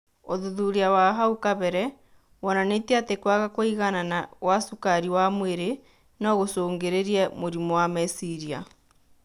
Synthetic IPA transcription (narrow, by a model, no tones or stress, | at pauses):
oðuðuɾeawaɦaukaβɛɾɛ | wɔnanetiatekwaɣakoiɣananawasukaɾiwamweɾe | naɣosoːŋɡeɾeɾiɛmoɾimɔwamɛsiɾia̰